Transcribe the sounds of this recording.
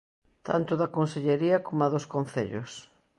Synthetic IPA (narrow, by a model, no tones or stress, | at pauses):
t̪ʰa̰nt̪ʊðɐkonseʎeɾiɐkomɐðʊskon̟θḛʎʊ̰s